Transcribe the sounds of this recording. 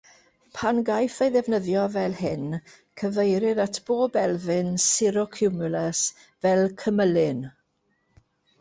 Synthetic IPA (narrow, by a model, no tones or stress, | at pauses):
pʰanɡajθejðɛvnəðjɔvɛlˠhɪn | kʰəvejɾɪðatʰb̥oːbɛlˠvɨnsɪɾɔkʰumʊləs | vɛlˠkʰəməlɪn